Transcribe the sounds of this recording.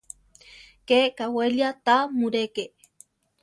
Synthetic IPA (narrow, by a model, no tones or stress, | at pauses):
kekaweljat̪amuɾeke